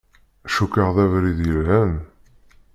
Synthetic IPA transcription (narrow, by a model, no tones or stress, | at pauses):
ʃukːəʁðævɾiðjəlhæn